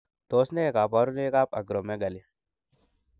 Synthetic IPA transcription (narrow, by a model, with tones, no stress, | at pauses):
t̪oː˦sne˦˨ka˨pa˨˦ɾu˦ne˦ka˦p̚ɐ̰˨ɡɾo˨me˦ɡɐ˨li˨